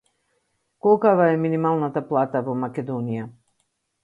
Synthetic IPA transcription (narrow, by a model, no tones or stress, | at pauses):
kɔkavaɛminimalˠnat̪aplˠat̪avɔmakɛd̪ɔnija